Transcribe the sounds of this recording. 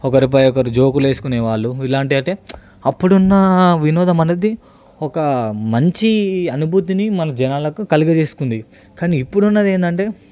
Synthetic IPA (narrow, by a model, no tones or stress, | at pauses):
ɔkɐɾip̬ɐjɔkɐɾud͡ʒoːkule̞ːsu̥kuneːʋaːɭːuilaːɳʈiɐʈeː | ɐpːuɽunːɐʋinɔːd̪ɐmɐnɐd̪i | ɔkɐmɐɲt͡ʃiɐnubʱut̪̬inimɐnɐd͡ʒɐnaːlɐkukɐliɡɐt͡ʃe̞ːsu̥kund̪i | kaːniːpːuɽunːɐd̪eːnd̪ɐɳʈe̞ː